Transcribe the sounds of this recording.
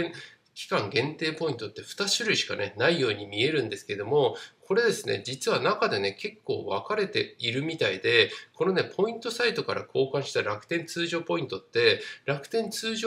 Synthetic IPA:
kʲi̥kãŋɡẽ̞nt̪e̞ːpo̞ĩnt̪o̞t̪ːe̞ɸɯ̟̥t̪aɕiɾɯ̟iɕi̥ka̰ne̞naijo̞ːɲ̟imʲie̞ɾɯ̟̃nd̪e̞sɨ̥ke̞d̪o̞mo̞kʰo̞ɾe̞d̪e̞sɨne̞̰d͡ʑit͡sɨβanakad̪e̞ne̞ke̞kːo̞̰ːβakaɾe̞t̪e̞iɾɯ̟mʲit̪aid̪e̞ko̞no̞ne̞pʰo̞ĩnt̪o̞sait̪o̞kaɾʔakʰo̞ːkãɰ̃ɕi̥t̪aɾakɯ̥t̪ẽ̞nt͡sɨːʑo̞ːpo̞ĩnt̪o̞t̪ːe̞ɾakɯ̟̥t̪ẽ̞nt͡sɨːʑo

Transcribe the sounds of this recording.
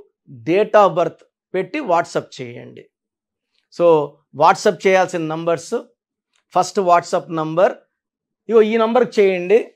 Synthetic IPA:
ɖeːʈaːbɐɾt̪ʰ | pe̞ʈːiʋaːʈsɐp̚t͡ʃɛːjɐ̰ɳɖḭ | soː | ʋaːʈsɐp̚t͡ʃɛːjaːlsinɐnɐmbɐɾs | pʰɐsʈʋaːʈsɐpnɐmbɐɾ | ioːiːnɐmbɐɾkt͡ʃɛːjɐɳɖi

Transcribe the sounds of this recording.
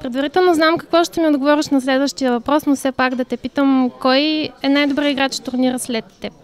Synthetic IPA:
pɾɛd̪vɐɾit̪ɛlˠnoznamkɐkvɔʃt̪ɛmiod̪ɡovɔɾɛʃnɐslɛd̪vəʃt̪ijəvɐpɾɔsnosɛpakd̪ɐt̪ɛpit̪əmkɔjɛnajd̪obɾəiɡɾat͡ʃt̪ʊɾniɾəslɛt̪ːɛp

